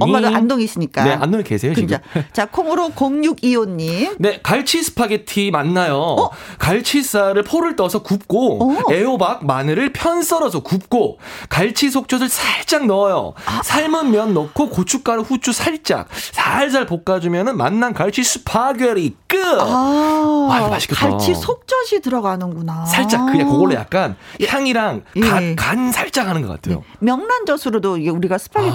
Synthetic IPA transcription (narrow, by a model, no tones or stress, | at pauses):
ʌmadoandoŋis͈ɯɲik͈ane̞a̰ndoŋikesʰe̞jot͡ɕɯid͡ʑat͡ɕakʰomɯɾokoŋɲuɡionːimne̞kaɭt͡ɕʰisʰɯ̥pʰaɡetʰimanːajokaɭt͡ɕʰis͈aɾɯɭpʰoɾɯɭt͈ʌsʰʌkup̚k͈oe̞obak̚manɯɾɯɭpʰjʌns͈ʌɾʌsʰʌkup̚k͈okaɭt͡ɕʰisʰok̚t͡ɕʰosɯɭsʰaɭt͡ɕ͈aŋnʌjo̰sʰaɭmɯnmjʌnːʌk̚kʰokot͡ɕʰuk̚k͈aɾɯɸut͡ɕʰusʰaɭt͡ɕ͈a̰k̚sʰaɭs̬ʰaɭpok̚k͈ad͡ʑumjʌnɯnma̰nːankaɭt͡ɕʰisʰɯpʰaɡjeɾik͈ɯ | maɕi̥kʰeaɭt͡ɕʰisʰok̚t͡ɕ͈ʰʌd͡ʑʰitɯɾʌɡanɯnɡunasʰaɭt͡ɕ͈akkɯekoɡʌɭːoja̰k̚k͈ançjaŋiɾaŋkakansʰaɭt͡ɕ͈akɦanɯnɡʌk͈a̰tʰejo̰mjʌŋnand͡ʑʌsʰɯɾodoiɡeuɾiɡasʰɯ̥pʰaɡi